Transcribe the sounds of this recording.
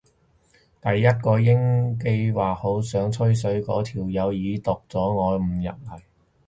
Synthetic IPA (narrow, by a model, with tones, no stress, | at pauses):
t̪ɐ˨jːɐ˥t̚kɔː˧jɪ˥ŋk̬e˧jwaː˨k̚ho˨˥wsœː˨˥ŋt͡sʰɵ˥ɥs̬ɵ˨˥ɥkɔ̰ː˨˥t̪ʰiː˨˩wjɐ˨˧wjiː˨˧t̪ʊ˨k̚t͡sɔː˨˥ŋɔː˨˧jm̩˨˩jɐ̰˨t̚hɐ˨˩j